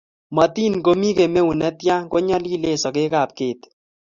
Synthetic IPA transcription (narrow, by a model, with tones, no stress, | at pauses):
ma˨t̪i˦nko˦mi˦ke˨me˦u˨nɛ˦t̪ja˦ko˦ɲɔ˦li˦le˦sɔ˨ke˦kaː˨p̚keː˨t̪